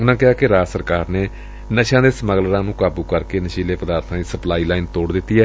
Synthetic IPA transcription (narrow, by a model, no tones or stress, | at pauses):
ʊnãːkɪɦaːkɪɾaːsəɾkaːɾneː | nəʃãːd̪eːsməɡlɾãːnũːkaːbuːkəɾkeːnəʃiːleːpəd̪aːɾt̪ʰãːiːsəplaːiːlaːint̪oːɽd̪ɪt̪ːiːɛː